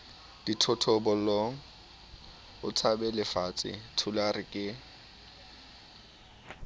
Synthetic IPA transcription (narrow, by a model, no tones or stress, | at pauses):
d̥itʰɔtʰɔbɔlɔ | ʊ̰t͡sʰabɛlɪfat͡sʼɪ̰tʰʊlarɪkʼɪ